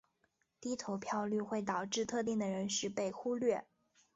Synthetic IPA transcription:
t̪i˥t̪ʰo˧˥ʊpʰjɑ˥˧ʊly˥˧xwe˥˩ɪt̪ɑ˨˩ʊʈ͡ʂɻ̩˥˧t̪ʰɤ˥˧t̪i˥˩ŋd̪ə˩ɻə˧˥nʂɻ̩˥˧pe˥˩ɪxu˥lɥɛ˥˩

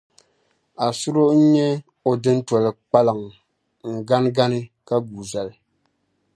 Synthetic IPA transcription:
a˨sʊ˦ɾo˦ʔɲɛ˦ | o˨dɨ˦n˦tɔ˨lɨ˨k͡pa˦lɨ˨ŋ | ŋ̩˨ɡa˦n˦ɡa˦nɨ˦ka˦ɡuː˨za˨lɨ˨

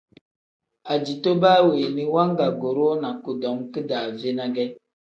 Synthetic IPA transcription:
a˨d͡ʒi˨to˦baː˦weː˨ni˦wa˦ŋ˦ɡa˨ɡo˨ɾo˦na˨ko˨dɔ˨˦ŋkɨ˦daː˨ve˦na˦ɡɛ˦

